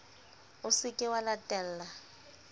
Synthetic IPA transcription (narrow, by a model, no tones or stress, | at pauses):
ʊsɪkʼɪwalatʼɛl̩la